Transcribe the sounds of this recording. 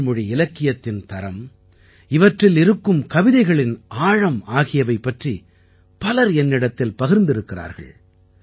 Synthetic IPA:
mʊɻiɪlɐkːɪjɐt̪ːɪnt̪ɐɾɐm | ɪʋɐʈrɪlɪɾɯkːɯmkɐʋɪðɐɪɣɐɭɪnaːɻɐmaːɣɪjɐʋɐɪpːɐʈri | pɐlɐɾɛnːɪɽɐt̪ːɪlpɐɣɪɾnd̪ɪɾɯkːɪra̰ːɾɣɐ̰ɭ

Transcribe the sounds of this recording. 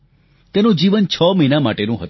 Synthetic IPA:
t̪enũd͡ʒiʋənt͡ʃʰɔməinamaʈenũɦət̪

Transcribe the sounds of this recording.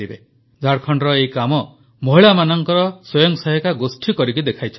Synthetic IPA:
ibe | d͡ʒʱaɽkʰɔɳɖɾɔejkamɔ | mɔɦiɭamanɔŋkɔɾɔsɔjɔŋsɔɦikaɡosʈʰikɔɾikid̪ekʰajt͡ʃʰ

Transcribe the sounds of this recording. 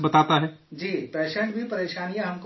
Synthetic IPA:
bɐt̪aːt̪aɦɛːd͡ʒiːpɛːʃɛ̃ɳʈbʱipɐɾeːʃaːnijãɦɐmk

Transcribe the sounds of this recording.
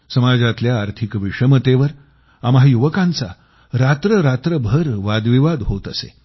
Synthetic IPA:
səmad͡zat̪ljaːɾt̪ʰikʋiʂəmət̪eʋəɾ | amɦajuʋəkãnt͡sa | ɾat̪ɾəɾat̪ɾəbʱəɾʋad̪ʋiʋad̪ɦot̪əsḛ

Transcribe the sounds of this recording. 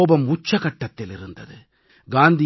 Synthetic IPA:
bɐmʊt͡ʃːɐɣɐʈːɐt̪ːɪlɪɾɯnd̪ɐðɯ | ɡaːnd̪ɪ

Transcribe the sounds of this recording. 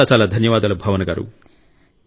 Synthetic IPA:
aːsaːlɐd̪ʱɐnjɐʋaːd̪ɐlɐbʱaːʋɐnɐɡaːɾṵ

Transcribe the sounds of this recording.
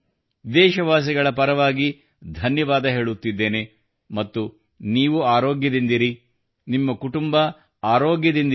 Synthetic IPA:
d̪ɛːʃɐʋaːs̬iɡɐɭɐpɐɾɐʋaːɡi | d̪ʱɐnjɐʋaːd̪ɐɦe̞ːɭut̪ːid̪ːe̞ːne̞ | mɐt̪ːu | niːʋuaːɾoːɡjɐd̪ind̪iɾi | nimːɐkuʈumbɐ | aːɾoːɡjɐd̪ind̪

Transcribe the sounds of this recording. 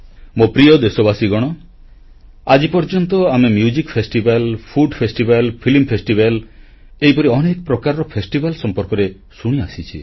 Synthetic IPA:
mopɾijɔd̪esɔbasiɡɔɽ̃ɔ | ad͡ʒipɔɾd͡ʒɔnt̪ɔamemjud͡ʒikpʰesʈibalpʰuɖpʰesʈibalpʰilmpʰesʈibal | eɦipɔɾiɔnekɔpɾɔkaɾɔɾɔpʰesʈibalsɔmpɔɾkɔɾe | suɽ̃iasit͡ʃʰḭ

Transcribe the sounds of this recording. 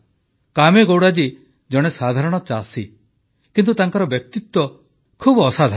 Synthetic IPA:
kameɡowɽad͡ʒi | d͡ʒɔɽ̃esad̪ʱaɾɔɽ̃ɔt͡ʃasi | kint̪̬ut̪aŋkaɾɔbjɔk̚t̪it̪wɔ | kʰubːsad̪ʱa

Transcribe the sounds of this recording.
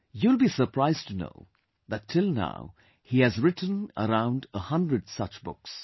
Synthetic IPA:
julˠbisə˞pʰɹaɪztʰuno̰ʊ | ðætʰɪlˠna̰ʊ | hiɨzɹɪtn̩ə̰ɾãʊ̃ndəhʌ̃ndɹədsʌt͡ʃbʊ̰ks

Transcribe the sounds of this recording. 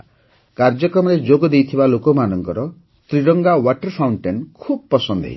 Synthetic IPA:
kaɾd͡ʒɔkɾɔmɔɾed͡ʒoɡɔd̪ejt̪ʰibalokɔmanɔŋkɔɾɔ | t̪ɾiɾɔŋɡawaʈɔɾpʰawɳʈenkʰubɔpɔsɔnd̪ʱɦḛi

